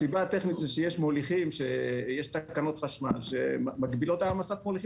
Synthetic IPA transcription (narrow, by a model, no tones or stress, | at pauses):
sibaːt̪eχnit̪zɛʃejeʃmoliχimʃejeʃt̪akano̞t̪χaʃma̰lʃemaɡbilot̪aːmasatmoliχi